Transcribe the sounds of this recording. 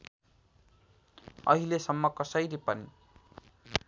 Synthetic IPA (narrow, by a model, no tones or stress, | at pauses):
ʌ̰ɦilesʌmːʌkʌsʌjlipʌni